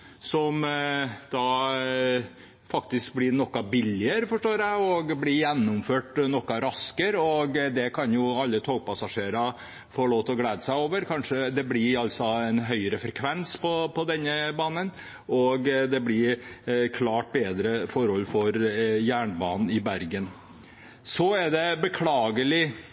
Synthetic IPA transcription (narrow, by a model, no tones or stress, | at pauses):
sɔmd̪̥ɑ | fɑkt̪ɪsk̚blɪɾnɔkːɑbɪlːɪəɾəfɔʂʈoːɾæɪɔɡblɪjɛnːʊmføːʈnɔkːɑɾɑskəɾɔɡd̪ɛkʰɑnjʊɑlːət̪ʰoːɡ̚pɑsɑʂeːɾɑ | foːloːt̪ɔɡleːd̪əsæɪoːʋəɾkʰɑnʂəd̪ɛblɪɑlt̪sɔɛnɦœʏəɾəfɾɛkʰʋɛnspʰɔpʰɔd̪ɛnːəbɑːnən | ɔɡd̪ɛblɪɾkʰlɑːʈ̚beːd̪ɾəfɔɾhɔlːfɔɾjæːɳəbɑ̰ːnn̩ɪbæɾɡən | sɔæɖ̪ɛbəkʰlɑːɡəlɪ